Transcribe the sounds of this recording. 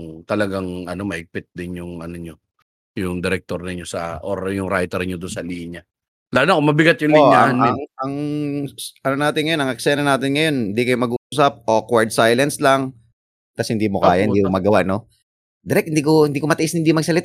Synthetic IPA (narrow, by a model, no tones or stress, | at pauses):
ŋt̪ɐlɐɡaŋʔɐno̞mɐhɪɡ̚pɪt̪̚d̪ɪnjʊŋɐnoɲo | jʊŋd̪ɛɾɛk̚t̪oɾnɪɲosɐ̰ʔoɾjʊŋɾajt̪ɛɾɲod̪ʊnsɐliːɲɐ | laːnokomɐbɪɡat̪̚jʊŋliɲaɐnɪŋɐŋ | ʔɐnonaːt̪ɪnŋɐjo̞nɐŋɛksɛnɐnaːt̪ɪnŋɐjo̞nhɪnd̪ikɐjomɐɡuʔʔuːs̬ɐp̚ʔo̞kwaɹd̪̚sajlɐnslɐŋ | t̪ɐshɪnd̪iːmokaaːjaʔɪd̪ikomɐɡɐwaʔno̞ | d̪ɛɾɛk̚hɪnd̪iːkohɪnd̪iːkomɐt̪ɐʔɪshɪnd̪iːmɐɡsɐlɪt̪a